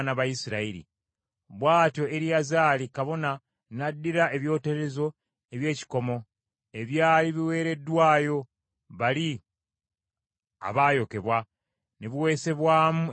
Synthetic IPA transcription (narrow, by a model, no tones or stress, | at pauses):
naβaisiɾaiɾḭ | βwaːtjo̞e̞ɾijazaːlikaβo̞na | nadːiɾae̞βjo̞ːteɾe̞zo̞ | e̞βje̞ːci̥ko̞mo̞ | e̞βjaːliβiwe̞ːɾe̞dːwaːjo̞ | βali | a̰βaːjo̞ke̞βwa | neβuwe̞ːse̞βwaːmu